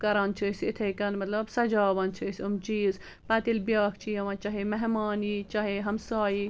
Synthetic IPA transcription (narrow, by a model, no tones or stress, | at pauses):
kɐɾɐnt͡ʃʰisit̪ʰekɐnmɐt̪lɐbsɐd͡ʒaːʋɐnt͡ʃʰisʲumt͡ʃiːz | pɐt̪ilbʲjaːkʰt͡ʃʰiɐʋɐ̃t͡ʃɐɦemɐɦmaːniːt͡ʃaɦeɦɐmsaːi